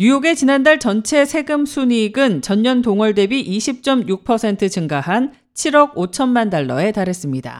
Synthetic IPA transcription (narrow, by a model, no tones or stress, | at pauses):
jujoɡe̞t͡ɕinandaɭt͡ɕʌnt͡ɕʰe̞sʰe̞ɡɯmsʰuɲiɡɯnt͡ɕʌɲːʌntoŋʌɭde̞biʔiɕʰip̚t͡ɕ͈ʌmjuk̚pʰʌsʰe̞ntʰɯt͡ɕɯŋɡaɦan | t͡ɕʰiɾʌɡ̚ot͡ɕʰʌnmandaɭːʌ̰e̞taɾɦe̞s͈ɯmɲida̰